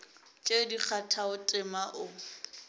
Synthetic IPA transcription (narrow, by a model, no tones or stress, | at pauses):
t͡ʃʼedik͡xʰatʰaʊtʼɪmaʔʊ